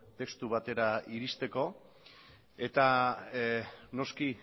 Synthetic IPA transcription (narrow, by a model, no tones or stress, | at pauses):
t̪e̞kst̪uβ̞at̪e̞ɾaiɾist̪e̞ko̞ | e̞t̪a | no̞ski